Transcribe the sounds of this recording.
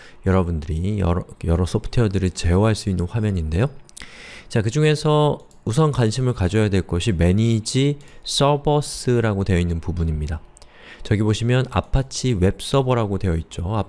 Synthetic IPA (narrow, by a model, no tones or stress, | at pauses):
jʌɾʌbundɯɾijʌ̰ɾjʌɾʌsʰʌpʰɯ̥tʰeʌdɯɾit͡ɕe̞ʌɦaɭs͈uinːɯnɸwamjʌɲinde̞jo | t͡ɕakɯd͡ʑuŋe̞sʰʌ | usʰʌnkwanɕʰimɯɭkad͡ʑʌjadwe̞ɭk͈ʌɕʰime̞ɲid͡ʑis͈ʌbʌs͈ɯɾaɡodwe̞jʌinːɯnpubuɲimɲida | t͡ɕʌɡiboɕʰimjʌna̰pʰat͡ɕʰiwe̞p̚s͈ʌbʌɾaɡodwe̞jʌit̚t͡ɕ͈oa